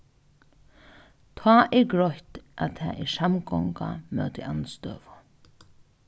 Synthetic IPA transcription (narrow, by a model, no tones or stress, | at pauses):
t̪ʰɑːʔɛɹɡɾɔht̪ʔat̪ʰæ̰ːʔɛɾsamɡɔŋka̰mœ̰wt̪iʔanst̪ø̰ːʋʊ